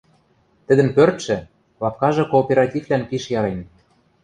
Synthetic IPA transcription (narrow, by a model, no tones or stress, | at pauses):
t̪ɘ̆d̪ə̆npørt̪ʃɘ̆ | lɑp̚kɑʒɤ̆koːpʲeɾɑtʲivlænpiʃjɑɾen